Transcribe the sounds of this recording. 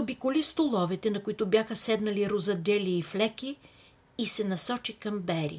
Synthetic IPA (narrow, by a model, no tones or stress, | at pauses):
obikʊlist̪olˠɔvɛt̪ɛnɐkʊit̪ʊbjaxəsɛd̪nɐliɾozɐd̪ɛliːflɛkʲiː | sɛnɐsɔt͡ʃikɐmbɛɾḭ